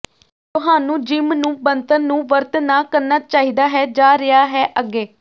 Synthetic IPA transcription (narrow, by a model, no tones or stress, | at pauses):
t̪ʊɦaːnũːd͡ʒɪmnũːbənt̪ənːũːʋəɾt̪naːkəɾnaːt͡ʃaːɦiːd̪aːɦɛːd͡ʒaːɾɪaːɦɛːʔəɡeː